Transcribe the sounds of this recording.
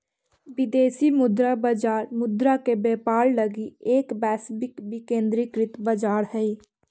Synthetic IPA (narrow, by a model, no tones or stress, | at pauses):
bɪd̪eːsimʊd̪ɾabəd͡ʒaːɾmʊd̪ɾakebeːpaːɾləɡieːkbɛːsbɪkbikẽːnd̪ɾikɾɪt̪bəd͡ʒaːɾhɛi